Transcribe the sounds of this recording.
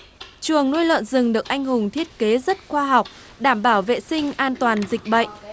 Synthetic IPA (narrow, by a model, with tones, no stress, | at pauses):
t͡ɕɨ˨˩əŋnu˧jlə̰˧˨nzɨ˨˩ŋɗɨ˨˩ək̚ʔa˧jŋ̟ɦʊ˨˩ŋ͡mt̪ʰi˦˥ət̚ke˨˦zə˦˥t̚xwaː˧ɦa˨˩wk͡p̚ | ɗaː˧˩mɓaː˧˩wvḛ˧˨sï˧ŋ̟ʔaː˧nt̪waː˨˩nzï˨˩k̟̚ɓə̰˧˨jʔ